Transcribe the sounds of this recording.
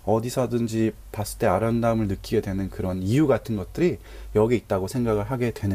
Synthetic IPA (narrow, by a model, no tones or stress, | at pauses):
ʌdisʰʌdɯnd͡ʑi | pas͈ɯ̥t͈e̞aɾandaɯmɯɭnɯk͈ʰiɡe̞dwe̞nɯnkɯɾʌnijuɡatʰɯnɡʌt̚t͈ɯɾi | jʌɡiit̚t͈aɡosʰe̞ŋɡaɡɯɭɦaɡe̞dwe̞nɯ